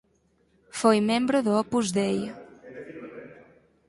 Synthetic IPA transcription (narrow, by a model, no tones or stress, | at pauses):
fojmẽmbɾʊðʊɔpuzðej